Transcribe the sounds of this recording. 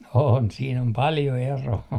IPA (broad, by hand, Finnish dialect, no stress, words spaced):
on siːn om pɑljo eroː